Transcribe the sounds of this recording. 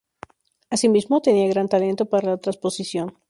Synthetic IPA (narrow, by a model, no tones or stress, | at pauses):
asimizmot̪e̞niaɣɾant̪ale̞nt̪o̞paɾalaat̪ɾaspo̞sisjon